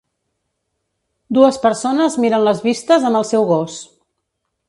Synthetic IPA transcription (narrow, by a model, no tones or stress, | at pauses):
d̪uəspəɾsonəzmiɾənləzβist̪əzəmbəlˠsɛwɣɔs